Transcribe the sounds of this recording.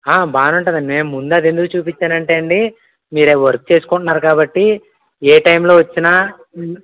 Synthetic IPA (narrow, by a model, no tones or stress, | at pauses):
aːbaːnuɳʈund̪ɐme̞ːmmːund̪ɐd̪e̞nd̪ukut͡ʃuːpit͡ʃːaːnɐɳʈeːɐɳɖi | miːɾeʋɐɾk̚t͡ʃe̞ːsu̥kuɳʈunːaːɾukaːbɐʈːi | eːʈɐjmlo̞ːʋɐt͡ʃːinaː